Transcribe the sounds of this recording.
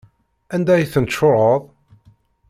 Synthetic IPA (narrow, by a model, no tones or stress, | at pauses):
ænd̪æjθənʃoɾˤəðˤ